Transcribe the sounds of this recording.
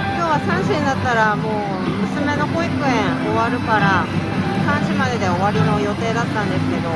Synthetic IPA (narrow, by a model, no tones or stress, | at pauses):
kkʲo̞ːβasãɰ̃ɕĩnd̪at̪ːaɾamoː | mɯ̟sɨme̞no̞ko̞ikɯ̟ẽɰ̃o̞βaɾɯ̟kaɾa | sãɰ̃ɕimad̪e̞d̪e̞o̞βaɾʲino̞jo̞t̪e̞ːd̪at̪ːãnd̪e̞sɨ̥ke̞d̪o̞